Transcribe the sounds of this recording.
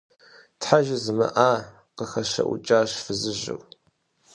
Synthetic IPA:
tħaʒɪzɨmɨ̰ʔaː | qəxɐʃɐ̰ʔʷut͡ʃʼaːʃfɨzɨʒɪ̰w

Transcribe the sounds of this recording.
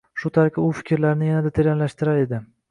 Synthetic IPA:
ʃʊt̪ʰaɾkʲʰɪʊfɪ̥kʲɪɾlaɾnɪjanad̪at̪ʰeɾjanlaʃt̪ɪɾaɾe̞d̪ɪ

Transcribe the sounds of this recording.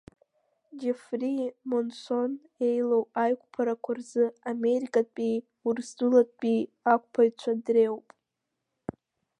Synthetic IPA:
d͡ʒefrimonso̞n | e̞jlowʼajkʷʼpʰaɾakʷʰarzɨame̞ɾikʼatʼpʼi | urzdɨlatʼpʼiak̚ʷʼpʰajt͡ʃʷʰadrewpʼ

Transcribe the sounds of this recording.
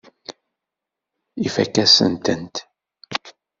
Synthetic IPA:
ifækːæsə̰nt̪ənt̪

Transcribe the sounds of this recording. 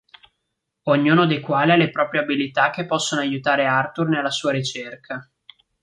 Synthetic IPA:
oɲːuːnod̪ejkwaːlialːepɾɔːpɾjeabilit̪ak̟ːepːɔsːonoajut̪aːɾeart̪urnelːasuːaɾit͡ʃerkʰa

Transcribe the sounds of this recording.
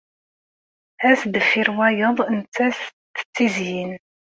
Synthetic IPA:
æsd̪əfiɾwæjəðˤnt͡sːæst̪ːə̥t͡sːizjin

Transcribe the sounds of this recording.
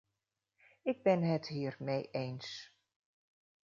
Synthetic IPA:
ɪɡ̚bɪnɦətɦiːrmejʔejns

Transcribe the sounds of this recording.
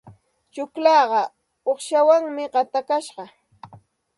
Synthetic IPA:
t͡ʃʊklɑːɢɑ | oχʃawaŋmɪɢɑt̪akaʃɢɑ

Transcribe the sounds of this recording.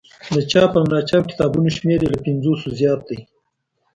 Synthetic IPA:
d̪ət͡ʃɑpəamlɑt͡ʃɑbkɪ̥t̪ɑbunoʃmeɾelapɪnzosozjɑt̪̚d̪aj

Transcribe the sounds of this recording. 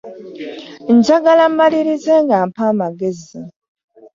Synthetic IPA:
ɲɟaɡalambaliɾizeŋɡaːmpaːmaɡe̞zi

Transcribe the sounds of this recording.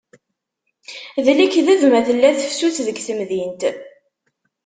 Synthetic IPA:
ðlikːðæðmæθəlːæθə̥fsuθðəɡθəmðint̪

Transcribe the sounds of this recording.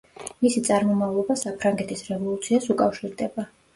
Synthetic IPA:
misit̪sʼaɾmɔmavlˠɔbasapʰɾaŋɡɛt̪ʰisɾɛvɔlˠut̪sʰiasukʼafʃiɾd̪ɛba

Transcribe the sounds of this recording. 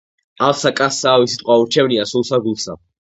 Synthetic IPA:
alˠsakʼasːaːvisit̪ʼqʼwauɾt͡ʃʰɛvniasulˠsaɡulˠsa̰

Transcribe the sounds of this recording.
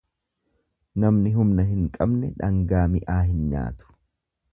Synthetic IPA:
nɐmnɪɦʊmnɐɦɪŋkʼɐbnɛᶑɐŋɡaːmɪʔaːɦɪnɲa̰ːt̪ʊ̥

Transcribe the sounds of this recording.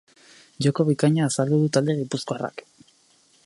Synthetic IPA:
d͡ʒoko̞β̞ikaɲaːsald̪uðut̪ald̪e̞ɣ̞ipuskoara̰k

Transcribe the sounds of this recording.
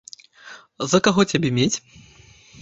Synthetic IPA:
zɐkaɣɔt͡sʲabʲemʲet͡sʲ

